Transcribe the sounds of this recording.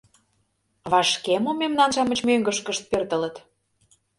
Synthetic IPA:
βɑʃkemomemnɑnʃɑmət͡ɕmøŋɡəʃkəʃt̪̚pørt̪ə̆lə̆t̪

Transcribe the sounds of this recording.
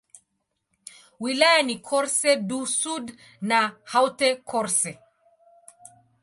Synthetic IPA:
wilajanikʰɔɾsɛdusud | nahawtɛkʰɔɾsɛ

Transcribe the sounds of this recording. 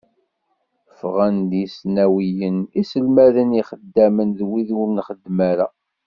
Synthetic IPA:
fʁænd̪jisnæwijənisəlmæðəniχəd̪ːæmənðwiðʊɾnχəd̪ːmæɾæ

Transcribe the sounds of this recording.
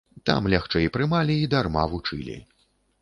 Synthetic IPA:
t̪a̰mlʲaxt͡ʂɛjpɾɨmalʲiːd̪arma̰vut͡ʂɨlʲḭ

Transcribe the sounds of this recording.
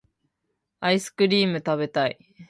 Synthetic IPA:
aisɨ̥kɯ̟ɾʲiːmɯ̟t̪abe̞t̪aḭ

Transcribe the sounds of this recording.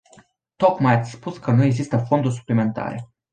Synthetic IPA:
t̪o̞kmajat̪sʲspuskənue̞ɡzist̪əfo̞nd̪urʲs̬u̥plime̞nt̪a̰ɾe̞̰

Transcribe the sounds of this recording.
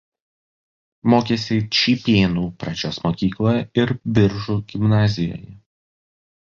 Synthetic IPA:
moːkʲesʲɪt͡ʃʲiːpʲeːnuːpɾɐd͡ʒʲoːsmoːkʲiːklˠoːjɛɪɾbʲɪɾʒuːɡʲɪmnɑːzʲɪjo̰ːjɛ

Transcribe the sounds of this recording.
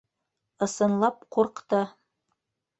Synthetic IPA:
ɤ̆sɤ̆nlˠɑp̚quɾqt̪ɤ

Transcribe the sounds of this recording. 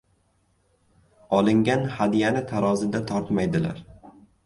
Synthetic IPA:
ɒlˠɪŋɡʲanhad̪ijanɪt̪ʰaɾɒzɪd̪at̪ʰɒɾt̪majd̪ɪla̰ɾ

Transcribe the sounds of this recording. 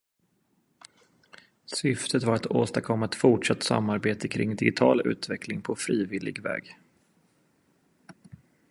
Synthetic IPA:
sʏft̪ʰət̪vaɾat̪oːst̪akʰɔmːaɛt̪fʊʈʂat̪ːsa̰mːaɾbeːt̪əkʰɾɪ̰ŋd̪ɪɡɪt̪ʰɑːlʉ̟̰ːt̪vɛkʰlɪŋpʰɔfɾiːvɪlɪ̰ɡvɛ̰ːɡ

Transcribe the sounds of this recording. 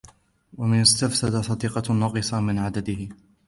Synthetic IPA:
wamɪnɪst̪afsad̪asˤɑd̪iːqɑnɑːqɨsˤɑmɪnʕad̪ad̪ɪhɪ

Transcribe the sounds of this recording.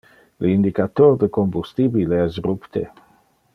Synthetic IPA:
ləind̪ikat̪ord̪əkombust̪ibileɛsrupt̪e

